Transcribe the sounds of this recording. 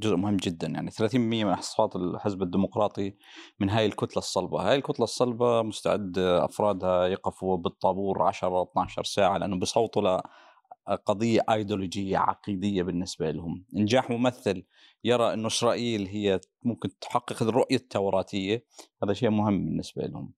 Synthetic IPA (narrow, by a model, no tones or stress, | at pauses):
d͡ʒʊzʔmʊhɪmːd͡ʒɪd̪ːanja̰ʕniθalaːθiːmblmɪjːamɪnħɑ̥sˤfɑːt̪ˤɪlħɪzbad̪ːimʊqɾˤɑːt̪ˤi | mɪnɦaːjɪlkʊt̪lasˤːɑlbɑ̰haːjɪlkʊt̪lɑsˤːɑlbɑmʊst̪a̰ʕɪd̪ʔɑ̰fɾˤɑːd̪hajɑqɑfubɨt̪ˤːɑbuːɾʕa̰ʃɾˤɑt̪naʕʃɑ̰ɾˤsaːʕalɪʔanːubisˤɑwt̪ˤla | qɑðˤɨjːaʔajd̪olod͡ʒɪjːa̰ʕɑ̰qiːd̪ɪjːabɪnːɪsbaʔɪlhʊmʔɪnd͡ʒaːħmʊmaθːɪl | jɑɾˤɑʔɪnːuʔʃɾˤɑʔiːlɦɪjːa | mʊmkɪnt̪ħɑqːɨqrːʊʔjat̪ʰːawɾˤɑːt̪ʰɪjːahaːðaʃeːʔmʊhɪmːbɪnːɪsba̰ʔɪ̰lhʊ̰m